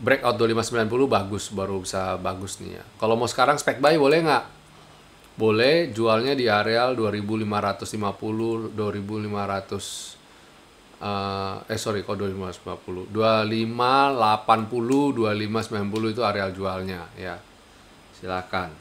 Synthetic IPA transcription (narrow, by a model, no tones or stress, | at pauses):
bɾɛkawt̪̚dualimasəmbilanp̬ulʊbaɡʊsbaɾubisabaɡʊsnḭja̰kalowmasə̥kaɾaŋsə̥pɛk̚baibolɛhŋɡaʔ | bolɛhd͡ʒualɲadiaɾealduaɾibulimaɾat̪ʊslimapulʊduaɾibulimaɾat̪ʊs | ʔəəsoɾikaldualimasəmbima̰puludualimalapanpuludualimasəmbilanpuluit̪̬uaɾeald͡ʒualɲaja̰ | silakan